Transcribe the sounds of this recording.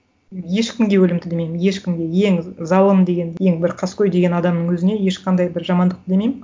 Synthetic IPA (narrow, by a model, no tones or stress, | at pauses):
je̞ʃkʲɪmɡʲe̞wɵlɪmd̪ɪd̪emejmnje̞ʃkʲɪmɡʲe̞je̞ŋzɑlˠəmd̪e̞ɡʲe̞nje̞ŋbɪɾqʰɑskʲøjd̪e̞ɡʲe̞nɑd̪ɑmnəɴwɵzɪne̞je̞ʃqʰɑnd̪ɑjbɪɾʒɑmɑnd̪əq̚t̪əd̪e̞mejmɪ